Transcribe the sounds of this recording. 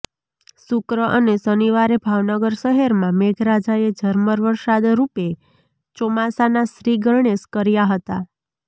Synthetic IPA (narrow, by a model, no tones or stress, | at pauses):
sʊkɾəʔənesəniʋaɾebʱaʋnəɡəɾʃəɦeɾmãmeɡʱɾad͡ʒaed͡ʒʱəɾməɾʋəɾsad̪ɾupe | t͡ʃɔmasanasɾiɡəɾɳeskəɾjaɦət̪a